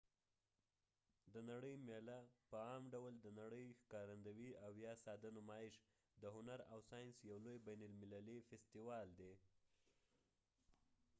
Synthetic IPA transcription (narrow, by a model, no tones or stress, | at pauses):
d̪ənaɽəjmelapəɑmɖawld̪ənaɽəjxkɑɾand̪awiawjɑsɑd̪anomɑɪʃ | d̪əɦʊnaɾawsɑjinsjawlojbajnʊlmɪlalifest̪iwɑld̪e